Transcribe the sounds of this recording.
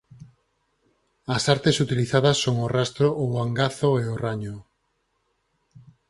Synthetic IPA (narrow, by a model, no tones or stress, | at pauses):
ɐsaɾt̪esut̪iliθað̞ɐsːoŋorast̪ɾoʔːβaŋɡaθoeoraɲo